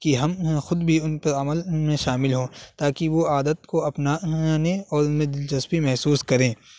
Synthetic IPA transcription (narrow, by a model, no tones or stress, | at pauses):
kiɦɐmxʊd̪bʱiʊnpɐɾɐməlmẽʃaːmɪlɦoːt̪aːkiʋoaːd̪ət̪koɐpnanẽɔːɾʊnmẽd̪ɪld͡ʒɐspimɛɦsuːskɐɾẽː